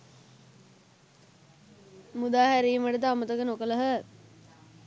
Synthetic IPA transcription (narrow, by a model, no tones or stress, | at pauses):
mud̪aːɦæɾiːməʈət̪̬əamət̪əkənokələɦə